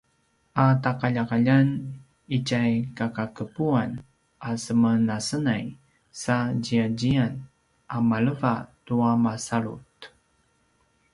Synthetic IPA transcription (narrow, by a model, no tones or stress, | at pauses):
atakaʎakaʎan | icajkakakəpuan | ʔasəmənasənaj | saɟiaɟian | ʔamaɭəvatuamasaɭṵt